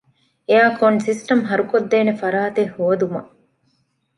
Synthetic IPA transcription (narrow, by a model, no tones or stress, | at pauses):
eaːkoɳsisʈɐmɦɐɾukod̪ːeːnefɐɾaːt̪ehuʋɐd̪umɐ